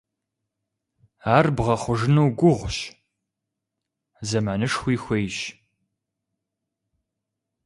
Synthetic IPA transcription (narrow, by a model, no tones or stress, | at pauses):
aːrbʁɐχʷʊʒɨnuːɡʷʊʁʷɕ | zɐmaːnɨʂxʷiːxʷejɕ